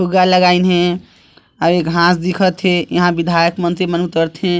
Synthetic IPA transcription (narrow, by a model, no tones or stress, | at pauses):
pʰuɡaləɡainɦẽ | aɾekɦãsd̪ikʰət̪ɦẽjə̰ɦãbid̪ʱajəkmənt̪ɾimənut̪əɾt̪ɦẽ